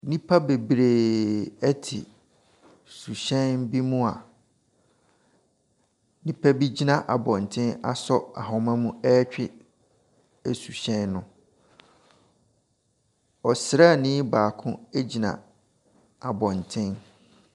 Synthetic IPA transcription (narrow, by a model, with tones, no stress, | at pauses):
nĩ˦pʰa˦be˨bɾe˨ɛ˦tʰɪ̰˨ | su˨ɕɛ̃˦nbi˦mũ˦a˨ | nĩ˦pʰa˦bi˦d͡ʑi˦nã˨ʔa˨bɔ̃˨n˨tʰɪ̃˦na̰˦sɔ˦a̰˨ɦɔ̃˨mã˦mũ˦ɛ˦t͡ɕᶣɪ˦ | æ˨su˨ɕɛ̃˦nːʊ̃˦ | ɔ˨sɾa˦˨nɪ̃˦baː˨kʰʊ̃˦e˦d͡ʑi˨nã̰˨ | a˨bɔ̃˨ntʰɪ̃˦n